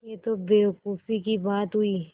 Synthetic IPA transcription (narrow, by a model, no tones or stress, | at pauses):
jet̪obeːʋkuːfikibaːt̪ɦʊiː